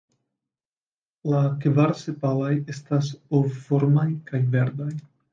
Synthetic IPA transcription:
lakvaɾsepalaje̞stasoffo̞ɾmajkajve̞ɾdaj

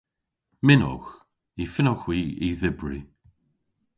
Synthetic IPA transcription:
mɪnɔ̰x | ifɪnɔxwiːiðɪbɹi

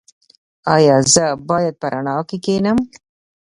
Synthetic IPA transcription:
ɑjɑːzəbɑjad̪̚pəɾʔaɳɑːkekeːnəm

